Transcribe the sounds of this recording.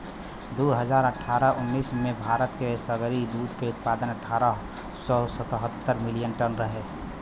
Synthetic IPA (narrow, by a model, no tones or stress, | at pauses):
d̪uɦəd͡ʒaːɾəʈʰːaːɾəʊnːiːsmẽbʱaːɾət̪kesəɡɾid̪uːd̪keʊt̪̚paːd̪ənəʈʰaːɾə | sɔsət̪əɦət̪ːəɾmɪlijənʈənɾəɦe